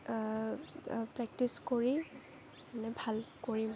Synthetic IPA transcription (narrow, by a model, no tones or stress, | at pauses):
pɹɛk̚tiskoɹi | anɛbʱalkoɹi